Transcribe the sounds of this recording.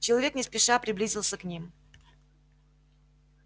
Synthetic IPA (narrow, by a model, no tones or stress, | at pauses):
t͡ɕɪlˠɐvʲe̞knʲɪspʲɪʂapɾʲɪblʲizʲɪlˠsʲəknʲim